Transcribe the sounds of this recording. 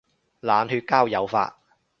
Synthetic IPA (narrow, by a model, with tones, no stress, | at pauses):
laː˨nhyː˧t̚kaː˥wjɐ˨˧wfa̰ː˧t̚